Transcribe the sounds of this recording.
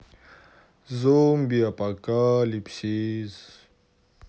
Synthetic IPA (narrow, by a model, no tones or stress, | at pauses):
zombiapakalipɕiz